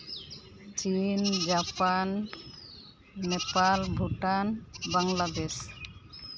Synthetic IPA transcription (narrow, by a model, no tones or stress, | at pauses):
t͡ʃind͡ʒapan | ɛpalbʱuʈanbaŋlad̪es